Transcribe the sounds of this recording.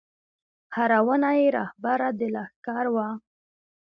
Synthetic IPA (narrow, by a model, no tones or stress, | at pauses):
haɾawənajeɾɑ̰hbaɾad̪əlaxkɑɾwa